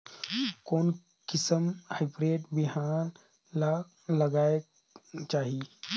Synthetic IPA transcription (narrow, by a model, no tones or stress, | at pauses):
kon | kisəmhajbɾeːʈbiɦan | la | ləɡajk | t͡ʃaɦi